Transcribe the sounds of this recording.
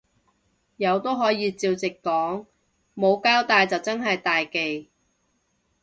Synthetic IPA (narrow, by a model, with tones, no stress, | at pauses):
jɐ˨˧wt̪o˥wɦɔː˨˥jiː˨˧t͡siː˧wt͡sɪ˨kːɔː˨˥ŋ | mo˨˧wkaː˥wt̪aː˨˧jt͡sɐ˨wt͡sɐ˥nɦɐ˨jt̪aː˨jke˨j